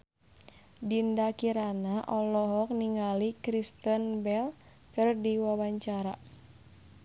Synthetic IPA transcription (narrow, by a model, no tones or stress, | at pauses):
dindakiɾanaʔɔlɔɦɔk̚niŋalikɾist̪ənbɛl | k̪ərdiwawaɲt͡ʃaɾa